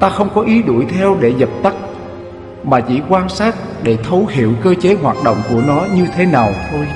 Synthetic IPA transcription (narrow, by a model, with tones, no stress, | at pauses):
t̪aː˧xə˧wŋ͡mkɔ˨˦ʔi˨˦ɗu˧˩əjt̪ʰɛ˧wɗe˧˩zə˨˩p̚t̪ə˦˥k̚ | maː˨˩t͡ɕḭ˧˩kwaː˧nsaː˦˥t̚ɗe˧˩t̪ʰə˨˦whḭ˧˨əwkəː˧t͡ɕe˨˦ɦwaː˨˩t̚ɗo̰˧˨wŋ͡mku˧˩ənɔ˨˦ɲɨ˧t̪ʰe˨˦naː˨˩wt̪ʰo˧j